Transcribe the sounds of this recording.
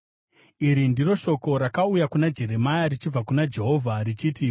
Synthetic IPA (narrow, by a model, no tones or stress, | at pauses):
iɾindiro̞ʃo̞ko̞ɾakaujakunad͡ʒe̞re̞majaɾit͡ʃib͡vakunad͡ʒe̞ɦo̞vʱarit͡ʃiːti